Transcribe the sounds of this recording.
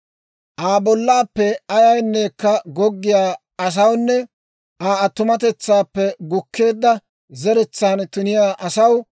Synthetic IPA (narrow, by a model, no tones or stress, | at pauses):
ʔaːbɔlːaːpːɛɐjɐjnːeːkːɐɡɔɡːɪjaː | ɐs̬ɐwnːɛ | ʔaːɐt̪ːʊmɐt̪ɛt͡sːaːpːɛɡʊkʰːe̞ːd̪ːɐ | zɛɾɛt͡sːaːnt̪ʊnɪjaːʔɐsɐw